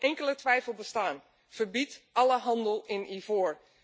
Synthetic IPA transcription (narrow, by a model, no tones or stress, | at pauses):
ɛŋkələtʋɛjfəlˠbəstaːn | v̥əɹbitɑləɦɑndəlˠɪnivoːɹ